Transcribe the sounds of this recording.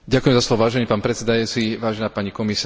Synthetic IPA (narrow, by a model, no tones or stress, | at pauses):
ɟakuʊjɛmzaslˠɔʋɔʋaːʒɛniːpaːnpɾɛt͡sɛd̪ajuːt͡siʋaːʒɛnaːpaɲikɔmisa